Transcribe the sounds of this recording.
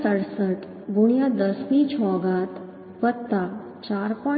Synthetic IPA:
səɽsəʈ | ɡuɳ̃jad̪əsmit͡ɕʰɔːɡaːt̪ | ʋət̪ːa | t͡ɕaɾpɔ

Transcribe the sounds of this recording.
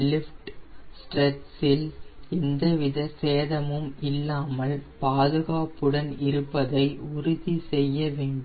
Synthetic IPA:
lɪfʈsʈrɛʈsɪlɛnd̪ɐʋɪðɐseːðɐmɯmɪlːaːmɐɭpaːðɯɣaːpɯɽɐnɪɾɯpːɐðɐɪʊɾʊðisɛjːɐʋeːɳɖɯm

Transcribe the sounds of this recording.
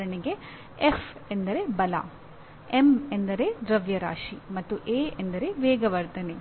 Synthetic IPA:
ɐɳeɡe̞ | efend̪ɐɾe̞bɐla̰ | emend̪ɐɾe̞d̪ɾɐʋjɐɾaːʂimɐt̪ːuʔeːend̪ɐɾe̞ʋeːɡɐʋɐɾt̪ʰɐne

